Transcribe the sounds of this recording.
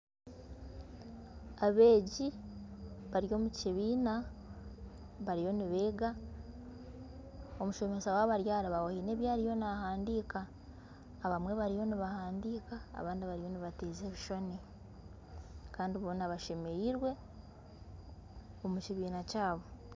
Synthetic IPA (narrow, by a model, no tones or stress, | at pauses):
aβe̞ːɟi | βaɾjo̞ːmuciβiːna | βaɾijo̞niβe̞ːɡa | o̞muʃo̞me̞sawaβaɾjaːɾaβawohine̞ːβjaːɾijo̞nahaːndiːkaː | βamwe̞βaɾijo̞niβahaːndiːka̰ːβaːndiβaɾijo̞niβateːzeːβiʃo̞ne | kaːndiβoːnaβaʃe̞me̞jiɾwe̞ | omuciβiːnacaːβo̞